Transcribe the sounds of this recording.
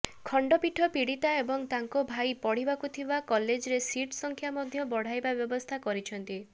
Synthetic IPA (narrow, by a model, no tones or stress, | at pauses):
kʰɔɳɖɔpiʈʰɔpiɽit̪aebɔŋt̪aŋkobʱajpɔɽ̤ibakut̪ʰibakɔled͡ʒɾesiʈsɔŋkʰjamɔd̪ʱjɔbɔɽ̤ajbabjɔbɔst̪ʰakɔɾit͡ʃʰɔnt̪i